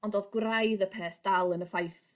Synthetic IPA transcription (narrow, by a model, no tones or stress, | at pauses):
ɔndoːðɡwrajðəpʰeːθd̥alˠənəfajθ